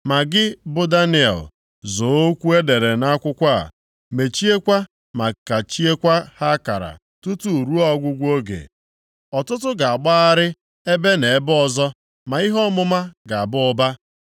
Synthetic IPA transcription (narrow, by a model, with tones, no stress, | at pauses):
ma˨ɡɪ˦bʊ˦da˦ni˦˨a̰˨l̰ | zo˨˦o˦kʷu˦e˦de˨ɾe˨na˦kʷʊ˦kʷa˦a̰˨ | me˨t͡ʃi˦e˦kʷa˦ | ma˨ka˨t͡ʃi˦e˦kʷa˦ha˦ka˨ɾa̰˨ | tʊ˦tu˨ɾu˦ɔ˦ɡʷʊ˦ɡʷo˦ɡḛ˨ | ɔ˨tʊ˦tʊ˦ɡa˨a˨ɡ͡ba˦a˦ɾɪ˦ | e˦be˦ne˨e˦bɔ˨zɔ˦ | ma˨i˦ɦɔ˦mʊ˦ma˦ɡa˨a˨bʊ˦ʊ˦ba˦